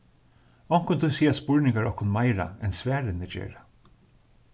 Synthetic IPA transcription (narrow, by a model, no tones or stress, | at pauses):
ɔŋ̥kʊnt̪ʰʊsiːaspʊɹnɪŋkaɹɔhkʊnmajɾa̰ɛnsvæːɾɪnɪd͡ʒḛːɹa